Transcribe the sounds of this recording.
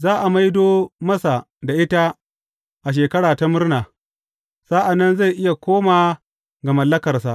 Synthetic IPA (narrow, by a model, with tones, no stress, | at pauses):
zaː˦ʔa˨ma˦jdoː˦mɐ˦sa˨ | da˨ʔɪ˦ta˦ | ʔa˨ʃ̬eː˨kɐ˦ɽaː˨ta˦mʊ˦rnaː˨ | saː˦ʔa˨nːɐ˦nza˦˨jʔɪ˦ja˨kʷoː˦maː˨ | ɡɐ˨mɐ˨lːɐ˦kɐ˨rsa˨ʔ